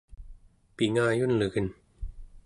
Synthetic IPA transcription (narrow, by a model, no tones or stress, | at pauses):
piŋaːjunlɯkɯn